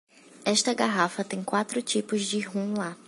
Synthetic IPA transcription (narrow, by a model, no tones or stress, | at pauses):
ɛʃt̪ɐɡaɦafɐt̪ẽj̃kwat̪ɾʊt͡ʃipʊzd͡ʒɪɦũla